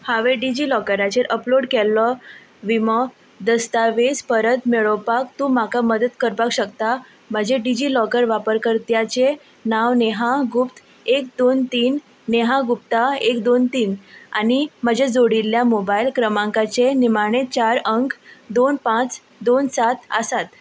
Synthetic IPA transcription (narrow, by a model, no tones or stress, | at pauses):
haʋeɖid͡ʑilɔkəɾat͡ɕeɾʔəploɽkɛlːɔ | ʋimɔ | d̪əst̪aʋespəɾət̪meɭəwpakt̪uːmakaməd̪ət̪kəɾpakɕəkt̪a | m̤əd͡ʑʱeɖid͡ʑilɔkəɾʋapəɾkəɾt̪jat͡ɕe | naʋneɦãɡupt̪ | ek̚d̪ont̪iːnː | eɦãɡupt̪aekd̪ont̪iːna̰ñiməd͡ʑʱed͡zoɽilːjamobailkɾəmãŋkat͡senimaɽ̃et͡ɕaɾəŋkd̪onpãt͡s | d̪onsat̪ə̰sat̪